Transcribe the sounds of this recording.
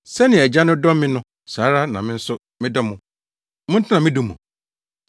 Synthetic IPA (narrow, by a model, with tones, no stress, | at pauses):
sɛ˦nɪ̃˨ɛ˨d͡ʑa˦nʊ̃˦dɔ˦mmɪ̃˦nʊ̃˦ | saː˨˦ɾa˦nã̰˨mɪ̃˦n̩˦sʊ˦ | mɪ̃˦dɔ˦mʊ̃˨ | mʊ̃˦n̩˦tʰɪ˦nã˨mɪ̃˦du˦mṵ̃˨